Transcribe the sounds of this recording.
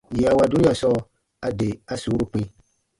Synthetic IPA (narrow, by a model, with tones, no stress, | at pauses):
ji˨a˨wa˨du˦ni˦a˨sɔ˦ | a˨de˨a˦suː˨˦ɾu˦k͡pĩ˦